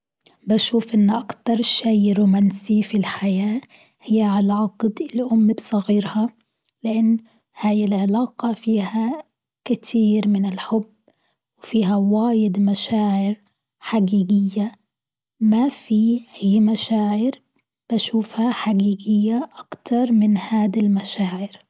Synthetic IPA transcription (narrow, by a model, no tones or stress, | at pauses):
baʃuːfʔɪnːʔakt̪ɑɾˤʃejɾuːmansifilħajaː | hɪjːʕalʕɑqd̪ɪlʔʊmːbsˤɑɣiːɾhɑ | lɪʔanː | haːjɪlʕɪlɑːqɑfiːha | kɪt̪ʰiːɾmɪnɪlħʊbː | wɪfiːɦawaːjɪd̪maʃaːʕɪɾ | ħaɡiːɡɪjːa | mafiʔajːmaʃaːʕɪɾ | b̥aʃuːfhaħaɡiːɡɪjːaʔakt̪ɑɾˤmɪnhaːd̪almaʃaːʕɪɾ